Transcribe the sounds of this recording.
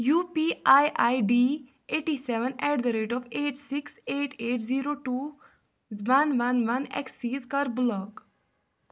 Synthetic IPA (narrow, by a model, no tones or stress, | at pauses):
juːpiːajʔajɖiː | eːʈisɛʋə̃nɛʈ̚d̪əɾeːʈɔːʋeːʈsɪkseːʈeːʈziːɾoːʈuː | ʋɐnʋɐnʋɐnɛ̰ksiːzkɐɾblɔːk